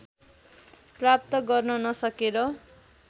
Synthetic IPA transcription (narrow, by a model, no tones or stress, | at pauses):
prap̚t̪ʌɡʌrnʌnʌsʌkeɾʌ